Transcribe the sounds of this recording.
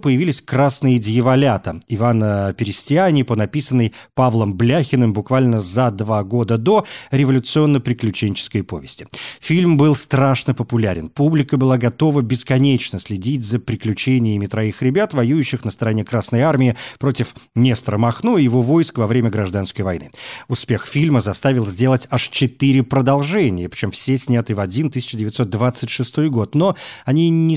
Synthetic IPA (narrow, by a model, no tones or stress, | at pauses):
pəjɪvʲilʲɪsʲkɾasnɨjədʲɪjɪvɐlʲat̪əɪvanəpʲɪɾʲɪsʲtʲɪanʲɪpənɐpʲisənːəjpavlˠəmblʲaxʲɪnɨmbʊkvalʲnəzɐd̪vaɡo̞d̪əd̪o̞ɾʲɪvəlʲʊt̪sɨo̞nːəpɾʲɪklʲʉt͡ɕenʲt͡ɕɪ̥skəjpo̞̰vʲɪsʲtʲɪ̥fʲilʲmbɨlˠst̪ɾaʂnəpəpʊlʲæɾʲɪnpublʲɪkəbɨlˠaɡɐt̪o̞vəbʲɪskɐnʲet͡ɕnəsʲlʲɪdʲitʲzəpɾʲɪklʲʉt͡ɕenʲɪjəmʲɪt̪ɾɐixɾʲɪbʲat̪vɐjujʉɕːɪxnəst̪əɾɐnʲe̞kɾasnəjarmʲɪɪpɾo̞tʲɪfnʲest̪ɾəmɐxnuɪjɪvo̞vo̞jskvɐvɾʲemʲəɡɾɐʐd̪an̪skəjvɐjnɨ̰ʊspʲe̞xfʲilʲməzɐst̪avʲɪlˠzʲdʲe̞lˠətʲaʂt͡ɕɪt̪ɨɾʲɪpɾəd̪ɐlˠʐɛnʲɪjəpɾʲɪ̥t͡ɕo̞mfsʲesʲnʲat̪ɨvɐdʲint̪ɨsʲɪ̥t͡ɕɪdʲɪvʲɪt̪sot̪̚d̪vat̪sɨtʲʂɨst̪o̞jɡo̞t̪no̞ɐnʲinʲɪ